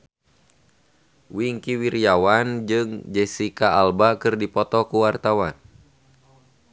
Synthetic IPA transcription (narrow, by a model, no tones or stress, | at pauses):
wiŋkiwiɾijawand͡ʒɨŋd͡ʒɛsikaalbakɨrdipɔt̪ɔkuwart̪awan